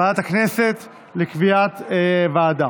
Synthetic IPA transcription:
aat̪aknese̞t̪ | lekviat̪evaːd̪a

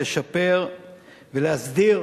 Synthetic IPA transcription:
eʃape̞ʁ | veleasd̪iʁ

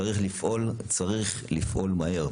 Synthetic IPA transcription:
aʁiχlifʔolt͡saʁiχlifʔo̞lmahe̞ʁ

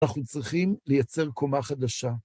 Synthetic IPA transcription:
aχut͡sʁiχimlejat͡se̞ʁko̞maχad̪aʃa

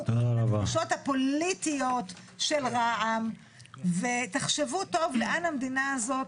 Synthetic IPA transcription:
avaʃo̞t̪hapo̞lit̪ijo̞t̪ | ʃelʁaʔam | vet̪aχʃevuto̞vleʔanhamd̪inaazo̞t

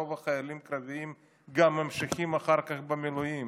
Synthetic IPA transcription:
ovaχajalimkɾaviim | ɡamːamʃaχimaχaɾkaχbemilujim

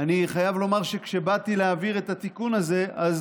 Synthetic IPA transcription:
aniχajavlo̞maʁʃe̞kʃe̞bat̪ileaviʁe̞t̪at̪ikunaze̞az

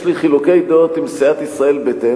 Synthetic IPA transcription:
ʃliχilukejd̪ot̪imsiat̪isʁae̞lbet̪e

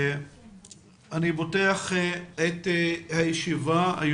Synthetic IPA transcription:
aniboteaχethajeʃivaa̰j

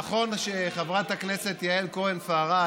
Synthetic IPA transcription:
χo̞nʃeχavʁat̪hakne̞se̞t̪jaelkoenfaaʁa

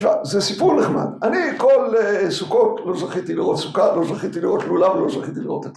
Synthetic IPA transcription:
vazesipuʁneχma̰d̪anikolesukotlo̞zaχit̪iliʁot̪su̥kalozaχit̪iliʁot̪lulavlozʁaχit̪iliʁo̞t̪et̪

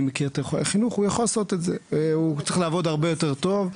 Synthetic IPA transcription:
mekiʁet̪oχinuχujaχolaso̞t̪etzeveut͡sʁiχlaavo̞d̪aʁbejo̞te̞ʁt̪o̞v

